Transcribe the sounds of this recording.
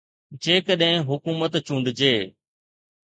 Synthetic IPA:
d͡ʑeːkəɗɦɪ̃ɦʊkuːmət̪t͡ʃũːɳɖd͡ʑeː

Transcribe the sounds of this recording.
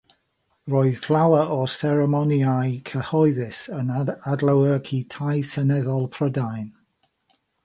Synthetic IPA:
roːɨð̥flˠawəʔɔsɛɹɛmɔniajkʰəhɔɨðɪsənadləwəkʰitʰajsənɛðɔlˠpʰrədajn

